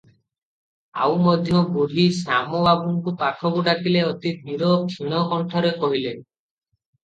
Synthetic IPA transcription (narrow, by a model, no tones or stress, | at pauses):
a̰wmɔd̪ʱjɔbuɾisamɔbabuŋkupakʰɔkuʈakileɔt̪it̪miɾɔkʰiɽ̃ɔkɔɳʈʰɔɾekɔɦile